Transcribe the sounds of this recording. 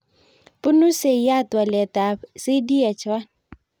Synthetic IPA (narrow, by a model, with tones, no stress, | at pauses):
pʊ˦nu˦se˨ja˦˨twa˨lɛ˨ta˨sɪ˦di˦ɛ˨t͡ʃʰwa˦